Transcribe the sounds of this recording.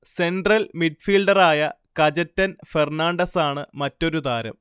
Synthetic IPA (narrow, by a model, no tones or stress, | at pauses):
se̞ɳɖrɐlmiɖ̚fiːlɖɐraːjɐ | kɐd͡ʑɐtːɐnfernaːɳɖɐsaːɳɨmɐtːo̞ɾud̪aːɾɐ̰m